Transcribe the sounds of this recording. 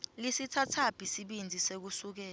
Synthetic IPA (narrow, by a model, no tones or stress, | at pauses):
lisitʰatʰab̥ʱisiɓind͡zʱisek̬usuk̬ɛːla